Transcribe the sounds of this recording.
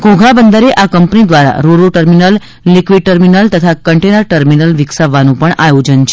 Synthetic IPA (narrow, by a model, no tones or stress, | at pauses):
ɡõɡʱabənd̪əɾeʔakəmpnid̪ʋaɾa̰ɾoɾuʈəɾminəlː | ikʋiɖ̚ʈəɾminəlt̪ət̪ʰakəɳʈenəɾʈəɾminəlʋiksaʋːanũpəɳajod͡ʒənt͡ʃʰe